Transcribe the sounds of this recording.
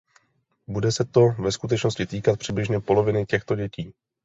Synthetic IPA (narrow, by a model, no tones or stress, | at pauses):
budɛsɛt̪o̞vɛskut̪ɛt͡ʃno̞scɪt̪iːkat̪̚pr̥ɪblɪʒɲɛpo̞lo̞vɪnɪcɛxt̪oɟɛciː